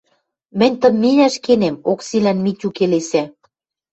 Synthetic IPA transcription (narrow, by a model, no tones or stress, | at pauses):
mɘ̆nʲt̪ə̆mːenʲæʃkenemoksilænmit͡ɕʲukelesæ